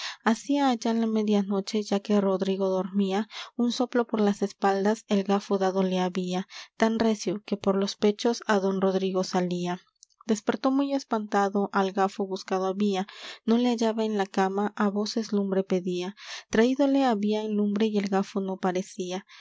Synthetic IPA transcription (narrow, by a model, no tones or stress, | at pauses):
asiaːʝaenlame̞ðjano̞t͡ʃe̞ʝake̞ro̞ðɾiɣo̞ðo̞ɾmiaunso̞plo̞po̞ɾlase̞spald̪ase̞lɡafoðaðo̞le̞aβiat̪anre̞sjo̞ke̞po̞ɾlo̞spe̞t͡ʃo̞saðo̞nro̞ðɾiɣo̞salia | d̪̥e̞spe̞ɾt̪o̞muje̞spant̪aðo̞ʔalɡafoβuskaðoaβiano̞le̞aʝaβaenlakamaʔaβo̞se̞zlumbɾe̞pe̞ðiat̪ɾaiðo̞le̞aβiaenlumbɾe̞ie̞lɣafono̞paɾe̞sia